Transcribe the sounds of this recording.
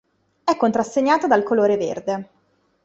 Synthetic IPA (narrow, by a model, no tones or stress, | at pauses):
ɛkːont̪ɾasːeɲːaːt̪ad̪alkoloːɾevḛrd̪e